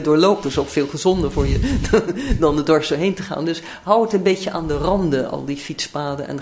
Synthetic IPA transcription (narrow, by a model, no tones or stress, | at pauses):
dʊːɹlowp̚dɪsowkfɪːlˠχəzɔndəɹvʊːɹjə | dɑndədɔɹstəɹɦejntəχa̰ːndɵs | ɦʌwətənbejcəʔa̰ːndərɑndəɑ̰lˠdifitspaːdənɛ̰n